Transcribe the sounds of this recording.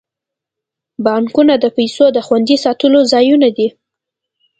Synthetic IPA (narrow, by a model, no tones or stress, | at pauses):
bɑŋkunad̪əpajsod̪əxwand̪isɑt̪əlozɑjunad̪i